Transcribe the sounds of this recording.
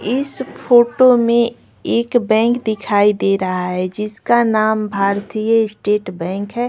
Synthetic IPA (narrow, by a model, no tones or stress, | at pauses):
ɪspʰoːʈomẽ | eːkbɛ̃ːŋkd̪ɪkʰaːid̪eɾɐɦaɦɛd͡ʒɪskanaːmbʱaːɾt̪ijəɪsʈeːʈbɛ̃ːŋkɦɛː